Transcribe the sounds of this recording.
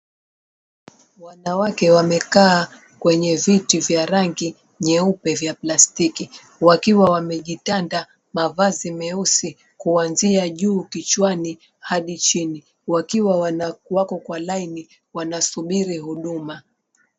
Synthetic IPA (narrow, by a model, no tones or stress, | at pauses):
wanawakɛwamɛkaː | kwɛɲɛvitivjaɾaŋɡi | ɲɛupɛvjaplastiki | wakiwawamɛʄitanda | mavazimɛusi | kuanziaʄuːkit͡ʃwani | haɗit͡ʃini | wakiwawakɔkwalaini | wanasuɓiɾihuɗuma